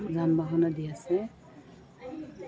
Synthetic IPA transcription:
zanbaɦɔnadijasɛ

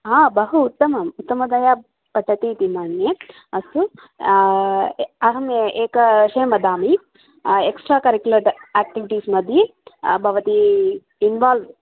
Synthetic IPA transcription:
ɦaːbɐɦuːt̪ːɐmɐmut̪ːɐmɐd̪ɐja | pɐʈːɐt̪it̪imaːɳje | ɐsu | ɐɦɐmjeeːkɐʃeːmɐd̪aːmi | eksʈɾaːkɐɾikjulɐʈaːk̚ʈiʋiʈiːsmɐd̪ʱjebʱɐʋɐt̪i | inʋaːlʋ

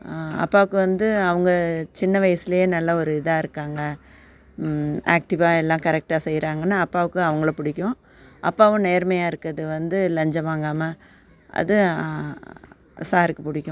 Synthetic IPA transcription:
ɐ̰pːaːʋɯkːɯʋɐnd̪ɯɐʋɐŋɡɐt͡ʃɪnːɐʋɐjɐsɪlɐjeːnɐlːɐɔɾɯɪðaːɪɾɯkːaːŋɡɐ | aːk̚ʈɪʋaːɛlːãːkɐɾɛk̚ʈaːsɛjːɾaːŋɡɐnːaːpːaːʋɯkːɯɐʋɐŋɡɐɭpʊɽɪkʲːʊ̃ | ʔɐ̰pːaːʋɐ̃neːɾmɐjaːɪɾɯkːɐðɯʋɐnd̪ɯlɐɲd͡ʒɐʋaːŋɡaːmɐ | ʔɐ̰ðɯ | saːɾɯkːɯpʊɽɪkʲːʊ̃

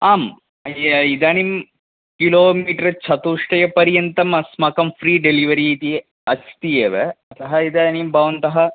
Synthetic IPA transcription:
aːm | id̪aːnim | kiloːmiːʈɐɾt͡ʃʰɐt̪uːʂʈɐjɐpɐɾjɐnt̪ɐmɐsmɐkɐmfʰɾiːɖeliʋɐɾiːt̪i | ɐt͡ʃʰi̥t̪ijeːʋeɐt̪ɐɦɐid̪aːnimbɐːʋɐnt̪ɐɦɐ

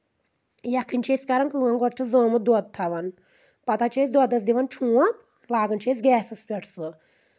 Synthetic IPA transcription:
jɐkʰːint͡ʃʰeːsʲkɐɾɐŋkluŋɐŋɡɔʈ̚t͡ʃʰizoːmɨd̪ɔd̪̚t̪ʰɐʋɐn | pɐt̪at͡ʃʰeːs̬ʲd̪ɔd̪ɐs̬d̪iʋɐnt͡ʃʰũːɐp | laːɡɐnt͡ʃʰeːs̬ʲɡɛːsɨspʲeʈʰsɨ

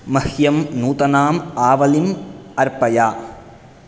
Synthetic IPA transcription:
mɐhjɐmnuːt̪ɐnaːmaːʋɐlimɐɾpɐjaː

